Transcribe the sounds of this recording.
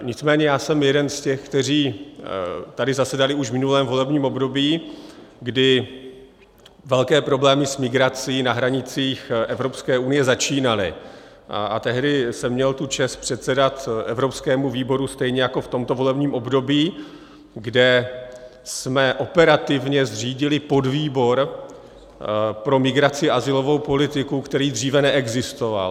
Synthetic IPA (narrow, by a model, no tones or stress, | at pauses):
ɲɪt͡smɛːɲɛjaːsɛmjɛdɛnscɛxkt̪ɛriː | t̪adɪzasɛdalɪuʃvmɪnulɛːmvo̞lɛbɲiːmʔo̞bdo̞biːɡdɪ | vɛlkɛːpɾo̞blɛːmɪsmɪɡɾat͡siːnaɦɾaɲɪt͡siːxʔɛvɾo̞pskɛːʔunɪjɛzat͡ʃiːnalɪ̰ | ʔa̰t̪ɛɦdɪsɛmːɲɛlt̪ut͡ʃɛspr̝̥ɛt̪sɛdat̪ʔɛvɾo̞pskɛːmuviːbo̞ɾust̪ɛjɲɛjako̞ft̪o̞mt̪o̞vo̞lɛbɲiːmʔo̞bdo̞biː | ɡdɛ | smɛʔo̞pɛɾat̪ɪvɲɛzr̝iːɟɪlɪpo̞dviːbo̞ɾ | pɾo̞mɪɡɾat͡sɪʔazɪlo̞vo̞wpo̞lɪt̪ɪkukt̪ɛɾiːd̪riːvɛnɛʔɛɡzɪst̪o̞va̰l